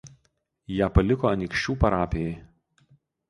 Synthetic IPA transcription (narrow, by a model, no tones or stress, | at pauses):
jæːpɐlʲɪkoːɐnʲɪkʃʲt͡ʃʲuːpɐɾɑːpʲejɛ